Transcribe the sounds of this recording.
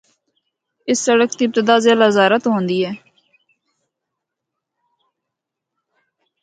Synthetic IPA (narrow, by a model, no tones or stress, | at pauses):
ɪsːəɽəkt̪iːɪb̚t̪ɪd̪aːzjaːlazaːɾət̪ɦõːnd̪iːɦɛː